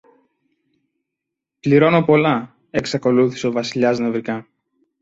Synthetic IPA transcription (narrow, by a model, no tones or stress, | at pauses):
pliɾo̞no̞po̞lɐ | e̞ksɐko̞luθi̥se̞o̞vɐsiʎɐznɐvɾikɐ